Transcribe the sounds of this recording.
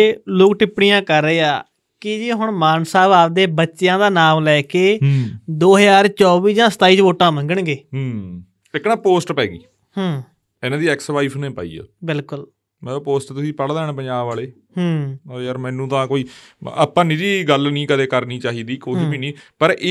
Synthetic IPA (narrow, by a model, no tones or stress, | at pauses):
eːloːkʈɪpɽijãːkəɾːeːaː | kɪd͡ʒeːɦʊɳmaːnsaːbaːp̚d̪eːbətːʃjãːd̪aːnaːmlɛːkeːd̪oːɦjaːɾt͡ʃɔːʋiːd͡ʒãːsə̥t̪aːiːt͡ʃʋoːʈãːmə̃ŋɡəɳɡeːɦː | ɪknãːpoːsʈpɛːɡḭː | hãː | ɪnãːd̪iːɛːksʋaːiːpʰnẽːpa̰ːḭːa̰ːbɪlkʊl | mɛːpoːsʈt̪ʊsiːpəɽd̪ɛːñːpəɲd͡ʒaːbaːleː | ɦoːjəɾmɛ̃ːnũːt̪ãːkoːiːa̰pːãːnĩːɾiːɡəlnĩːkəd̪eːkəɾniːt͡ʃaːɦiːd̪iːkoːbiːnĩːpəɾeː